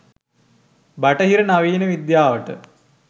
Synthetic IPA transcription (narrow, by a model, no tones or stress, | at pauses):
bɐʈəɦiɾənaʋiːnəʋid̪jaːʋəʈə̰